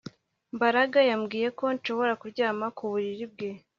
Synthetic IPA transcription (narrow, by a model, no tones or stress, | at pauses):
mbaɾaɡajamɡiːje̞ko̞nʃo̞βo̞ɾakuɾɟaːmakuβuɾiɾib̚ɡe̞